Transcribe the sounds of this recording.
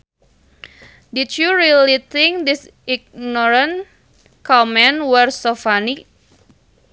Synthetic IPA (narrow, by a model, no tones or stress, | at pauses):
dut͡ʃjuɾilit̪ĩŋk̚d̪is | iɡ̚nɔɾən | kamɛ̃nwərsofani